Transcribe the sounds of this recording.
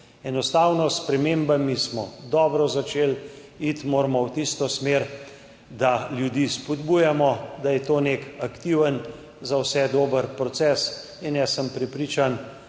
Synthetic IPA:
ɛnɔst̪awnɔspɾɛmembamismɔd̪ɔbɾɔzat͡ʃeːl | it̪moːɾmɔwt̪ist̪ɔsmeɾ | d̪aljud̪iːspɔd̪buːjamɔd̪ajɛt̪oːnekakt̪iwən | zawsɛd̪oːbəɾpɾɔt̪sɛːs | injɛsəmpɾɛpɾiːt͡ʃan

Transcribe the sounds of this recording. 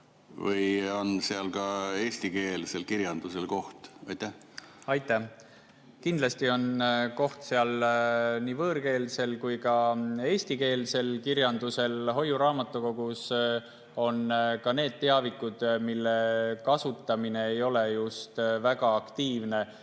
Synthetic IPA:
vɯjonseɑlkɑe̞ːst̪ike̞ːlse̞lkiɾjɑnd̪̥uselko̞ht̪ɑ̰jt̪ːæh | ɑjt̪ːˑæh | kind̪lɑst̪io̞nko̞ht̪se̞ɑl | niːvɤːɾke̞ːlse̞lkujkɑe̞ːst̪ike̞ːlse̞lkirjɑnd̪use̞lɦo̞jːuɾɑːmɑt̪ːˑuko̞ɡ̥us | o̞nkɑne̞ːd̪̥̚t̪ːe̞ɑvikːˑud̪̥milːekɑsut̪ːˑɑmine̞ːjo̞le̞just̪væɡɑɑkt̪iːvne̞

